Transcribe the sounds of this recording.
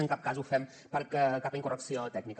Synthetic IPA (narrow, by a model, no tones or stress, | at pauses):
əŋkap̚kazufɛm | pəɾkəkapəiŋkurʔəksiolət̪ɛɡnik